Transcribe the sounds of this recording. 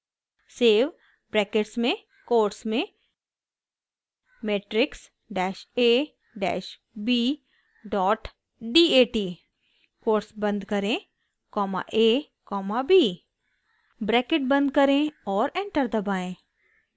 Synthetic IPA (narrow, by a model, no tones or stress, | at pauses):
seːf | bɾɛːkeʈsmẽ | koːɾsmẽ | meːʈɾɪks | ɖɛːʃeː | ɖɛ̰ːʃ | biː | ɖɔːʈ | ɖiːeːʈiː | koːɾsbɐ̃nd̪kɐɾẽ | kɔːma̰ʔeː | kɔːmabʱiː | bɾɛːkɪʈ̚bɐ̃nd̪̚kɐɾẽɔːɾẽːɳʈəɾd̪ɐbaːẽː